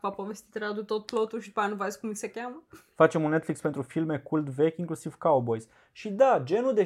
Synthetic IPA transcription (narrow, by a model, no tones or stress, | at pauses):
papovest̪it̪ɾad̪ut̪ot̪̚plot̪ulʃid̪panuvaeskumisekʲaməfat͡ʃemunːe̞t̪flikspent̪ɾufilme̞kult̪ve̞kʲiŋklusiv̥kawbo̞jz | ʃid̪ad͡ʒe̞nuld̪e̞